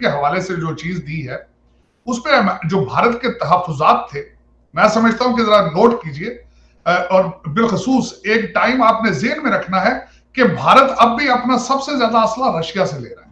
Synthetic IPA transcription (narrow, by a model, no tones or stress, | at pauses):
keɦɐʋaːlesed͡ʒoːt͡ʃiːzd̪iɦɛː | ʊspẽm̃d͡ʒoːbʱaːɾət̪ket̪ɐɦəfʊzaːt̪ʰːe | mɛ̃ːsɐməd͡ʒʱt̪aɦũkizɐɾanoːʈkiːd͡ʒie | ɔːɾbɪlxʊsuːseːkʈaːɪmaːpnezɪɦnmẽɾɐkʰnaɦɛ | kebʱaːɾət̪ɐb̚bʱiɐpnasɐbsezjaːd̪aɐslaɾɐʃijaselḛːɾɐɦɛ